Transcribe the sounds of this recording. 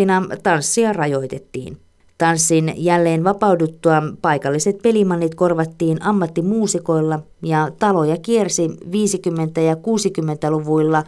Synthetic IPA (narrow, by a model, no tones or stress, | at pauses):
inɑt̪ɑnsːiɑrɑjo̞it̪et̪ːḭːn | t̪ɑnsːinjælːeːnʋɑpɑudut̪ːuɑpɑjkɑlːiset̪̚pe̞limɑnːit̪ko̞rʋɑt̪ːiːnɑmːɑt̪ːimuːsiko̞ilːɑ | jɑt̪ɑlo̞jɑkiersiʋiːsikymːent̪æjɑkuːsikymːent̪æluʋuilːɑ